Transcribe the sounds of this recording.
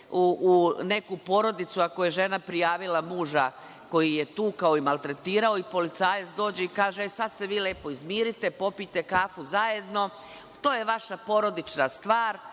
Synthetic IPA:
uune̞kupo̞ːɾo̞d̪it̪suako̞je̞ʒe̞napɾijaːʋilamuːʒa | ko̞jijet̪uːkaoimalˠt̪ɾe̞t̪iːɾao̞ipo̞lit̪saːjetsd̪o̞ːd͡ʑeikaːʒesad̪se̞ʋiːle̞ːpo̞izmiːɾit̪epo̞pit̪e̞kaːfuzaje̞d̪no̞ | t̪o̞ːjeʋaʃapo̞ɾo̞d̪it͡ʃnast̪ʋaːɾ

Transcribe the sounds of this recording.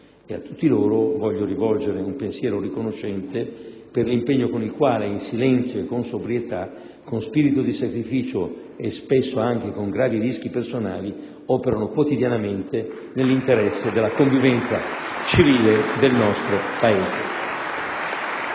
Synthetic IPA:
eat̪ːut̪ːiloːɾovɔʎːoɾivɔld͡ʒeɾeumpensjɛːɾorikonoʃːɛnt̪eperlimpeɲːokonilkwaːleinsilɛnt̪sjoekːonsobɾijet̪a | kːonspiɾit̪od̪isakɾifiːt͡ʃo | espesːoaŋk̟ekoŋɡɾaːviɾisk̟ipersonaːli | ɔːpeɾanokwot̪id̪janament̪e | nelːint̪eɾɛsːed̪elːakoɱvivɛnt̪sat͡ʃiviːled̪elnɔst̪ɾopaeːzḛ

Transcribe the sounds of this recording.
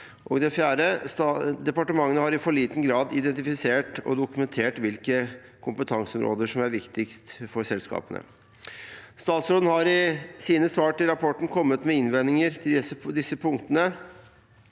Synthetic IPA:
ʔɔ̰ɡd̪ɛfjæːɾəsɑd̪ɛpɑʈəmɑŋːənəhɑɾɪfɔɭiːt̪n̩ɡɾɑːd̪ɪd̪ɛnt̪ɪfɪseːʈɔ̰d̪ʊkʉmɛnt̪ʰeːʈʋɪlkəkʰʊmpət̪ʰɑŋsəɔmɾʔo̰ːd̪əʂɔmæɾʋɪkt̪ɪkst̪fɔɾsɛlskɑ̰ːpənə̰ | st̪ɑːt̪sɾoːd̪n̩hɑɾɪsiːnəsʋɑːʈɪlɾɑpʰɔʈn̩kʰɔmːət̪mɛɪnʋɛnːɪŋəɾt̪ʰɪlɛsəd̪ɪsːəpʰʊŋkt̪ənə

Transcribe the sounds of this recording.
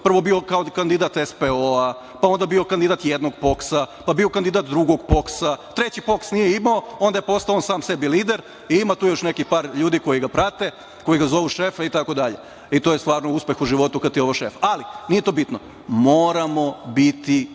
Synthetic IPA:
pr̩ʋo̞biokaokand̪id̪at̪espeoa | pao̞nd̪abio̞kand̪id̪aːt̪jed̪noɡpo̞ksapabiokand̪id̪at̪̚d̪ɾuɡo̞ɡpo̞ksat̪ɾe̞t͡ɕipo̞ksnijeimaoo̞nd̪ajepo̞st̪aonsaːmse̞biliːd̪eɾ | iimat̪uːjo̞ʃne̞kipaːɾʎuːd̪iko̞jiɡapɾat̪e̞ | ko̞jiɡazo̞ʋuʃe̞fait̪ako̞d̪aʎḛ | it̪oje̞st̪ʋaːɾnouspʲe̞xuʒiʋo̞t̪ukat̪ioʋoʃefalinije̞t̪o̞ːbit̪no | moːɾamo̞bit̪i

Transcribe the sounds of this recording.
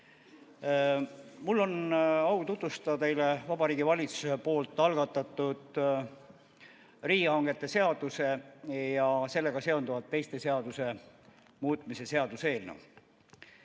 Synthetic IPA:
mulːo̞nɑwt̪ut̪vust̪ɑt̪e̞jle̞vɑb̥ɑɾiːɡivɑlʲit̪su̥sepo̞ːlt̪ːˑɑlɡ̥ɑt̪ːˑɑt̪ːˑud̪̥ | riːɑŋɡ̥e̞t̪ːˑe̞se̞ɑd̪̥use̞jɑse̞lːe̞ɡ̥ɑse̞o̞nd̪uvɑt̪ːe̞jst̪e̞se̞ɑd̪̥use̞ | muːt̪ˑmise̞se̞ɑd̪̥use̞ːlnṵw

